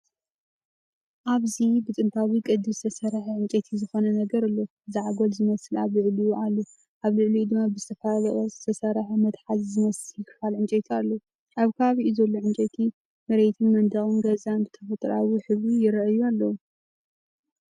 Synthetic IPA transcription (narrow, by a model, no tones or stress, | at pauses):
ʔaβzibɨt͡s̪ʼɨnt̪ʰawikʼɨd̪ɨst̪ʰɐsɐɾħiʕɨnt͡ʃʼet̪ʰizɨxo̞nɐnɐɡɐɾɨlːo | zɨʕaɡolzɨmɐslaβlɨʕlijuʔalːu | ʔaβlɨʕlijud̪ɨmːabɨzɨt̪ʰɐfɐlalɐχʼɐzɨt̪ʰɐsɐɾħmɐt̪ħazzɨmɐsjɪkʰɨfalʕɨnt͡ʃʼet̪ʰialːo | ʔaβkʰɐβaβiʔuzɐlːoʕɨnt͡ʃʼet̪ʰi | mɨɾet̪ʰunmɐnd̪ɐχʼɨnɡɐzanbɨt̪ʰɐfɐt̪ʼɾawiħɨβijɪɾʔɨjualːɐwu